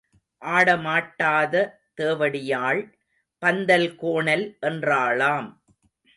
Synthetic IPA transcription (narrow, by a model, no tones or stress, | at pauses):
ʔaːɽɐmaːʈːaːðɐ | t̪eːʋɐɽɪjaːɭ | pɐnd̪ɐlkoːɳɐlʔɛndraːɭaːm